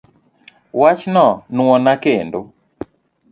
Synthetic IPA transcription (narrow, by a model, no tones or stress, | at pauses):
wat͡ʃnɔnw̃ɔnakendo